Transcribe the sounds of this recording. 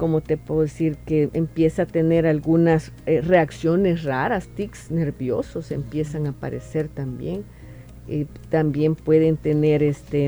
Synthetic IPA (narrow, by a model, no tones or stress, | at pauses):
komot̪epeoðesiɾkeempjesaat̪eneɾalɡunas | ereaksjonesraɾast̪iksneɾbjososempje̞saŋapa̰ɾḛseɾt̪ambjeŋ | e | t̪ambjempwe̞ðent̪eneɾest̪e